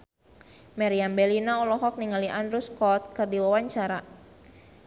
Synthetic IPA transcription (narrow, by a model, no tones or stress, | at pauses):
maɾiambɛlinaɔlɔɦɔk̚niŋaliʔanɾuskɔt̪̚kɨrdiwawaɲt͡ʃaɾa